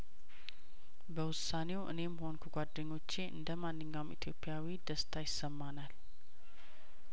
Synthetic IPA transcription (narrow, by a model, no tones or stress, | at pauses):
bəwʊsːane̞wʔɨ̰ne̞mːho̞nkʰəɡʷad̪ːəɲːo̞t͡ʃːeʔɨ̰nd̪əmanːɨɲːawmḭt̪ʰjo̞pʼːjawid̪əst̪ʰajɪsːəmːanal